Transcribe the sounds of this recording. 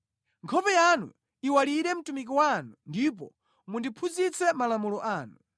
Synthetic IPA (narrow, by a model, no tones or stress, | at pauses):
ŋkʰɔpɛjanṵ | iwaliɾɛm̩tumik̬iwanundip̬ɔ̰ | mundipʰuzit͡sɛmalamulɔʔaːnu